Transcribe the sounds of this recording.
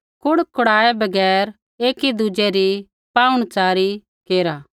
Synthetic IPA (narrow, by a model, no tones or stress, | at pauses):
kʊɽkʊɽaːebɐɡɛːɾ | eːkid̪ʊd͡ʒɛɾi | paːʊɽ̃t͡ʃaːɾi | keːɾaː